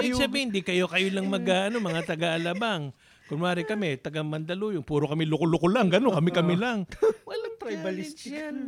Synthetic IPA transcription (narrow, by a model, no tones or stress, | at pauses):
sɐbihɪnd̪ikɐjo̞kɐjolɐŋmɐɡaʔɐno̞mɐŋat̪ɐɡaʔɐlabaŋ | kʊnmaːɾɪkɐmɛt̪ɐɡamɐnd̪ɐlujʊŋpuːɾokɐmɪlʊkolʊkolaŋɡɐnokɐmɪkɐmɪlɐŋwɐlaŋt̪ɾajbɐlɪsan